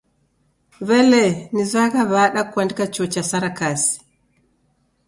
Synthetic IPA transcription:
vɛlɛnizaɡaβaɗakwandkat͡ʃɔt͡ʃasaɾakasi̥

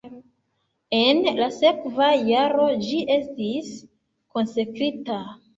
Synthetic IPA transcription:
e̞nlase̞kvajaɾo̞d͡ʒiʔe̞stis | ko̞nsekɾita

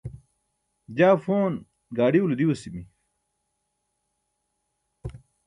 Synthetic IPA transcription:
d͡ʑaːfoːn | ɡaːɖiulud̪iwɐsimi

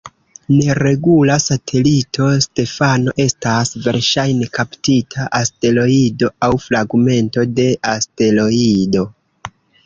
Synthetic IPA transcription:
ne̞ɾe̞ɡulasatʰe̞litʰo̞ste̞fano̞ʔe̞stasve̞̰ɾʃajne̞kʰaptitʰaʔaste̞lo̞ido̞awfɾaɡme̞nto̞de̞ʔaste̞lo̞ido

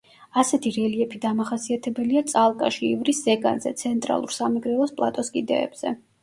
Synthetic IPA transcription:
asɛt̪ʰiɾɛliɛpʰid̪amaχasiat̪ʰɛbɛliat̪sʼalˠkʼaʃiivɾiszɛɡa̰nzɛ̰t̪sʰɛnt̪ʼɾa̰lˠṵɾsamɛɡɾɛɔspʼlˠa̰t̪ʼɔskʼid̪ɛ̰ːb̥z̥ɛ̰

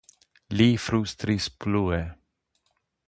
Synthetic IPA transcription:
liːfɾust̪ɾispluɛ

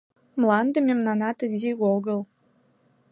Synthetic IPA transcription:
mlˠɑnd̪əmʲemnɑnɑt̪əzʲiɡolɡɤlˠ

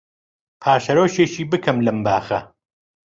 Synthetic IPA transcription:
pʰaːʃɐɾoːʃeːʃiːbɨkʰɐmlɐmbaːxɐ̰

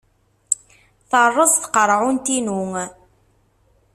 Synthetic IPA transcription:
θərˤːəzθqəɾˤʕunt̪inuŋ

